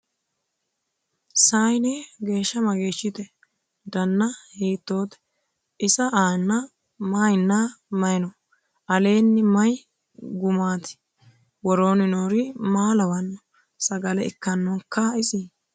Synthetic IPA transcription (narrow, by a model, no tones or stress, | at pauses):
saːjneɡe̞ːʃːɐmɐɡeːʃːɪt̪ɛ | d̪ɐnːɐheːt̪ːo̞ːt̪ɛ̥ | ʔɪsɐʔaːnːɐ | maːjnːamɐjnɔ | ʔɐle̞ːnːɪmɐj | ɡʊmaːt̪ɪ̥ | wɔɾoːnɪnoːɾɪmaːlɐwɐnːɔ | sɐɡɐlɛɪ̰kːɐnːɔŋkːɐɪsi